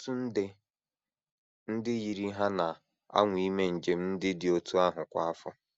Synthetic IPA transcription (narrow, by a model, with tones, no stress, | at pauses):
tu˦n̩˦dɪ˦ | n̩˦dɪ˦ɣi˨ɾi˦ɦa˦na˨ | a̰˦ŋʷ˦i˦me˦n̩˨d͡ʒe˨m̩˦n̩˦dɪ˦dɪ˨o˦tu˦a˦ɦʊ˨kʷa˦a˦fʊ̰˦